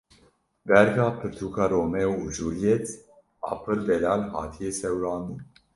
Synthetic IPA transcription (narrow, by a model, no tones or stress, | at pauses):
bɛɾɡapʰɨɾt̪ʰukaɾomewuʒuliet͡s | a̰ːpʰɨɾd̪elalɦa̰ːt̪ʰijesɛwlaːnd̪u